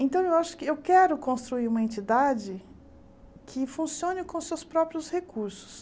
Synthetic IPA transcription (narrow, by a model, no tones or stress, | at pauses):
ẽnt̪ɐ̃w̃ewaʃʊ̥kɪewkɛɾʊkõst̪ɾuiɾũmɐẽnt͡ʃid̪ad͡ʒɪ | kʰɪfũsiõnɪkõʊsewspɾɔpɾiʊshekuɾsʊ̥s